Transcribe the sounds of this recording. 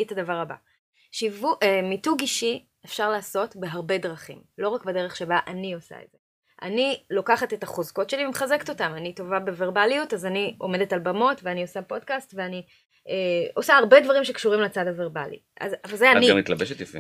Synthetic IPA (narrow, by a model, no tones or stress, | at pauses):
tadavaʁaba̰ | ʃivuʔemituɡiʃi | efʃaʁlaːso̞tbeɦaʁbe̞dʁaχḭmlo̞ʁakbedeʁeχʃe̞baʔanio̞sa̰edz̥e | ʔa̰nilo̞kaχate̞taχozko̞tʃe̞limeχazeke̥to̞tamanito̞vabeve̞ʁbalijutazanio̞̰me̞detalbamo̞tveaniosapo̞dkastveani | eo̞saːʁbe̞dvaʁimʃe̞kʃuʁimlat͡sadhave̞ʁba̰lḭ | ʔa̰zavalzeania̰mitlabeʃet̪jofḭ